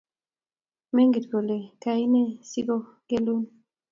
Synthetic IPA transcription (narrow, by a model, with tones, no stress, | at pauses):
me˦ŋɡi˨tko˨le˨ka˨i˦ne˦si˦ɡo˦ | ke˦lu˦n